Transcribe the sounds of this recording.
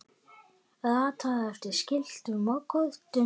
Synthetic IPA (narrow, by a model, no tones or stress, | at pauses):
ðat̪ʰaðɛft̪ɪɾ̥scɪl̥t̪ʏmɔkɔðt̪ʏ